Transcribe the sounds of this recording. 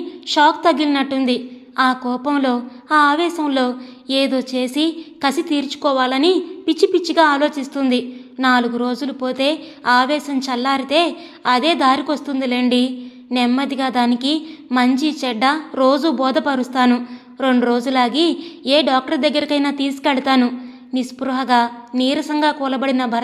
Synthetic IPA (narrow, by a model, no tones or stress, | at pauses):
ʃaːk̚t̪ɐɡilinɐʈːund̪i | aːkɔːpɐmlo̞ːaaːʋɛːʃɐmlo̞ː | eːd̪o̞ːt͡ʃe̞ːsikɐsit̪iːɾt͡ʃu̥kɔːʋaːlɐnipit͡ʃːipit͡ʃːiɡaːaːlo̞ːt͡ʃist̪und̪inaːluɡuɾo̞ːd͡ʒulupo̞ːt̪e̞ːaːʋɛːʃɐmt͡ʃɐlːaːɾit̪e̞ː | ɐd̪e̞ːd̪aːɾikost̪und̪ileːɳɖi | nɛmːɐd̪iɡaːd̪aːnikimɐɲt͡ʃit͡ʃɛɖːɐɾo̞ːd͡ʒubɔːd̪ɐpɐɾust̪aːnu | ɾe̞ɳɖuɾo̞ːd͡ʒulaːɡiːeːɖaːk̚ʈɐɾd̪ɐɡːɐɾikɐjnaːt̪iːsu̥kɛɭɐt̪aːnu | nispɾuɦɐɡaːniːɾɐsɐŋɡaːkɔːlɐbɐɽinɐbʱɐɾ